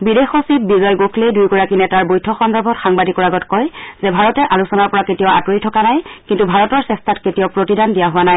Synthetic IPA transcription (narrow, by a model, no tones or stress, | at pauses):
bidexosit̚bizɔjɡokʰlejdujɡɔɹakinɛtaɹbojtʰɔxɔndɔɹbʱɔtxaŋbadikɔɹaɡɔtkɔjzɛbʱaɹɔtɛʔalusɔnaɹpɔɹaketijɔa̰tuɹitʰɔkanajkintubʱaɹɔtɔɹsɛstʰatketijɔpɹotidʱandijaɦʊwanaj